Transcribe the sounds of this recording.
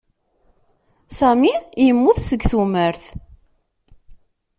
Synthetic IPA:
sæmijəmːʊðsəɡθuməɾθ

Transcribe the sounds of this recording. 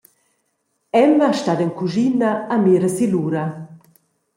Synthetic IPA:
ɛmaʃtad̪ɛŋkuʒinaameːɾəsiluɾa

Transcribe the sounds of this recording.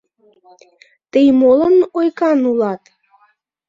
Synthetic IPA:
t̪əjmolənojkɑnulɑt̪

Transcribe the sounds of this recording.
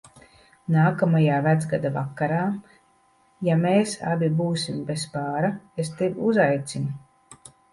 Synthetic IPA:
naːkamajaːvæd̪zɡad̪avakːaɾaː | jameːsa̰bʲibuːsimbespaːɾaest̪evuzajt̪sinu

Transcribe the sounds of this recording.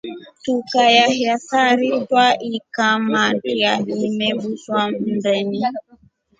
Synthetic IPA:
tukajahjasaɾitwaʔikamatiaimɛbuswam̩bɛni

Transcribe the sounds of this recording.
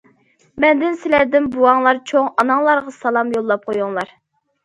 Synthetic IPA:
mɛnd̪ɪnsɪlæɾd̪ɪnbuwɑŋlˠɑɾt͡ʃʰoŋɑnɑŋlˠɑɾʁɑsɑlˠɑmjolˠːɑp̚qʰojuŋlˠɑɾ

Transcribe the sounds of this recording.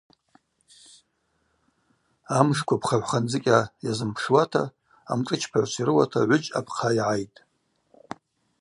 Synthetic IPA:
amʂkʷʰapʰχaʕʷħʷχand͡zɨkʲʼajazɨmpʰʂwatʰa̰ː | mʈ͡ʂʼɨt͡ʃʰpʰaʕʷsʷiɾɨwatʰaʕʷʊd͡ʒʼa̰pʰqʰajʕajtʼ

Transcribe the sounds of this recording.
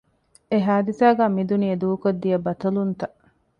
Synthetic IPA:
eɦaːd̪isaːɡaːmid̪uniɐd̪uːkod̪ːijɐbɐt̪ɐlunt̪ɐʔ

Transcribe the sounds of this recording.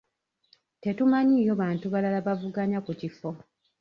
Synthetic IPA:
te̞tumaɲiːjoβaːntuβalalaβavuɡaɲakucifo̞

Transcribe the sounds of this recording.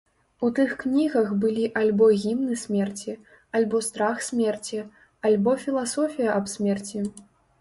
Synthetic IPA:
ut̪ɨxknʲiɣɐɣbɨlʲiʔalʲbɔɣʲimnɨsʲmʲɛrt͡sʲi | alʲbɔst̪ɾaxsʲmʲɛrt͡sʲi | alʲbɔfʲilˠasɔfʲijɐʔɐbsʲmʲɛrt͡sʲi

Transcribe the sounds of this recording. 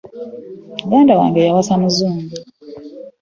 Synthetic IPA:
uɡaːndawa̰ːŋɡejawasamuzuːmɡu

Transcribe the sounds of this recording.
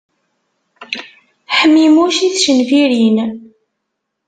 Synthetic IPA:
ħəmːimuʃiθʃənviɾin

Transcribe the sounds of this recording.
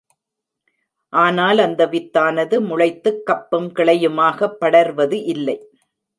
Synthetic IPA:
ʔaːnaːlɐnd̪ɐʋɪt̪ːaːnɐðɯmʊɻɐɪt̪ːɯkːɐpːɯmkɪɭɐjɯmaːɣɐpːɐɽɐɾʋɐðɯʔɪlːɐɪ

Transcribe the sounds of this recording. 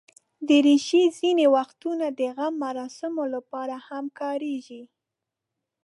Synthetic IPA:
d̪əɾiʃizinewaxt̪unad̪əɣamːaɾɑsɪmolapɑɾahamkɑɾeʒi

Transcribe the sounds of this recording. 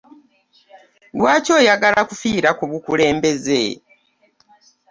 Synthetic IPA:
lwaːco̞ːjaɡalakufiːɾakuβukule̞ːmbe̞zḛ

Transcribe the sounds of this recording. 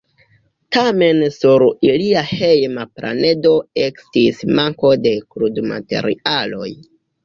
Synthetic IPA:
tame̞nsuɾiliahe̞jmaplʔa̰ne̞do̞e̞kstismaŋko̞de̞kɾudma̰te̞̰ɾḭalo̞̰j

